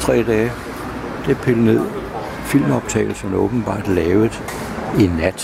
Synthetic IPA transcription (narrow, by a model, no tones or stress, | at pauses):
t͡sʰʁɛ̰ːd̥ɛː | d̥epʰeləne̝ð̞̰ˠ | fil̰mɒ̽b̥̚t͡sʰɛ̰ːlsɒ̽mæɔːb̥n̩b̥ɑ̰̈ːd̥lɛːʊð̩ˠ | inːæd̥